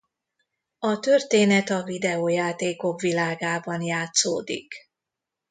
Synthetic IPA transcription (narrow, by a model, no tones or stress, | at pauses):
ɒt̪ørt̪eːnɛt̪ɒvid̪ɛoːjaːt̪eːko̞kʋilaːɡaːbɒnjaːt̪soːd̪ḭk